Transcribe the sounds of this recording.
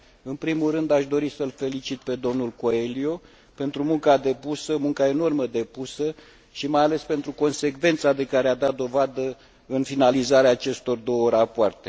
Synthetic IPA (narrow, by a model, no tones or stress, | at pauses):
ɨnpɾimulrɨnd̪aʃd̪o̞ɾisəlfe̞lit͡ʃit̪̚pe̞d̪o̞mnulko̞elio̞ | pe̞nt̪ɾumuŋkad̪e̞pusəmuŋkae̞no̞rməd̪e̞pusə | ʃimajale̞spe̞nt̪ɾuko̞nse̞kve̞nt̪sad̪e̞kaɾead̪at̪̚d̪o̞vad̪ə | ɨnfinalizaɾeaːt͡ʃe̞st̪o̞rd̪o̞wərapoart̪e̞̥